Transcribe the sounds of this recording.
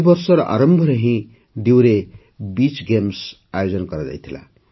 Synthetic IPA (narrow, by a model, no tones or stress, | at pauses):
bʌrsʌɾʌʔa̰ɾʌmbʱʌɾʌɦĩ | d̪iwɾe | bit͡sɡems | ajod͡zʌnkʌɾd̪a̰jt̪ʰila̰